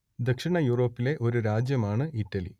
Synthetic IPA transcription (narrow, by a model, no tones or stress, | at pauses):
d̪ɐkʂiɳɐjuːro̞ːpːile̞ʔo̞ɾuɾaːd͡ʑjɐmaːɳɨʔiʈːɐlḭ